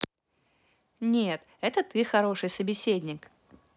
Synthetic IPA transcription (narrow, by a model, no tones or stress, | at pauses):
nʲet̪ | ɛt̪ət̪ɨxɐɾo̞ʂɨjsəbʲɪsʲedʲnʲɪk